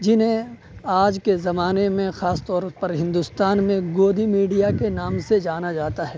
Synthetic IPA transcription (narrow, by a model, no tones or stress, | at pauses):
d͡ʒɪnɦẽ | aːd͡ʒkezɐmaːnemẽxaːst̪ɔːɾpɐɾɦɪ̃nd̪ʊst̪aːnmẽɡoːd̪imiːɖijakenaːmsed͡ʒaːnad͡ʒaːt̪aɦɛː